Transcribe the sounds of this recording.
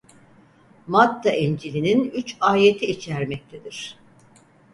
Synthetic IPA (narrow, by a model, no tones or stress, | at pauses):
mat̪ːaʔind͡ʒilʲininyt͡ʃaːjet̪ʰiːt͡ʃʰæɾmɛc̚t̪ʰed̪iɾ̥